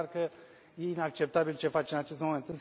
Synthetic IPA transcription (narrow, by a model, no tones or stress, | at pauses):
ɾkə | jeinak̚t͡ʃep̚t̪abilt͡ʃefat͡ʃenat͡ʃest̪moment̪ɨs